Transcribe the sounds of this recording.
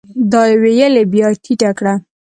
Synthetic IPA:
d̪ɑjewejəlebjɑʈʰiʈakɽa

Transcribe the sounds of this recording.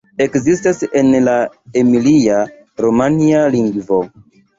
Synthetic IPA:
e̞kzistase̞nla | emilia | ɾomanialiŋɡvo̞

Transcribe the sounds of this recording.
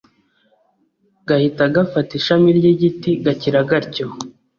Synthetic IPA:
ɡahitaɡafatiʃamiɾɟiɟitiɡaciɾaɡaɾco

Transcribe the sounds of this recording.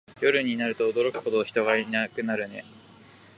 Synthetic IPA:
jo̞ɾɯ̟ɲ̟inaɾɯ̟t̪o̞ːd̪o̞ɾo̞kɯ̟̥ho̞t̪o̞ːçi̥t̪o̞ɡainakɯ̟naɾɯ̟ne̞

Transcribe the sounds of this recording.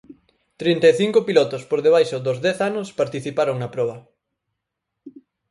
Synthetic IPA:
t̪ɾint̪eθiŋkopilɔt̪ʊspoɾðeβ̞ajʃʊd̪ʊzðɛθanʊspaɾt̪iθipaɾoŋnɐpɾɔβɐ

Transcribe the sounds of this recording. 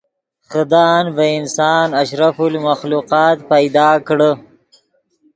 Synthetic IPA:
xəd̪ɑːnvaɪnsɑːnaʃɾafulmaxluqɑːt̪pajd̪ɑːkɽə

